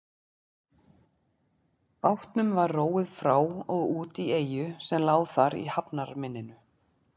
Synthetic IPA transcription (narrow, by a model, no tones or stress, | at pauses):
pawht̪nʏmvaɾroːwɪðfɾaːwɔɣuːt̪ieːjʏsɛmlaːwθaɾḭhapnaɾmɪnːɪnʏ